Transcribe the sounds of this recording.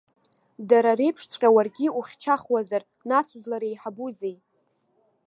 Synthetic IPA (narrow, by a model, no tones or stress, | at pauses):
daɾarejpʰʂt͡sʷʼqʲʼawarɡʲiuχʲt͡ʃʰaχwazar | nasuzlaɾejħabuzej